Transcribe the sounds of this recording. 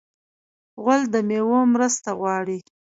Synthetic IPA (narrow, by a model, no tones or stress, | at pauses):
ɣald̪əmewomɾəst̪aɣwɑɽi